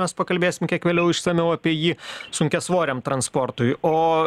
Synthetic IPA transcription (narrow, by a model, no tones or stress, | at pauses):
ɛspɐkɐlʲbʲeːsʲɪmkʲiɛkʋʲeːlʲɛʊɪʃsʲɛmʲɛʊɐpʲiɛjiːsʊŋʲkʲɛsʋoːɾʲɛːmt̪ɾɐnsport̪ʊɪoː